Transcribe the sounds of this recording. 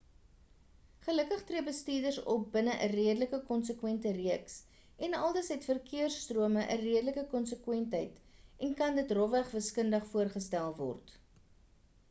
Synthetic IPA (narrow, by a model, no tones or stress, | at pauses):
χələkəχtriəbəstiːrdərsɔp̚bənəʔəriədələkəkɔnsəkwɛntəriəks | ɛnɐlˠdəsɦɛtfərkʰiərstruəməʔəriədələkəkɔnsəkwɛntɦəjtɛnkɐndətrɔvæχvəskəndəχfuərχəstælˠvɔ̰rt